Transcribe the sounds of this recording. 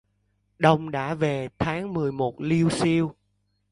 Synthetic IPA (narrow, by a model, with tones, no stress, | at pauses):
ɗə˨˩wŋ͡mɗa̰ː˧˥ve˨˩t̪ʰaː˨˦ŋmɨ˨˩əjmo˨˩t̚li˧əwsi˧əw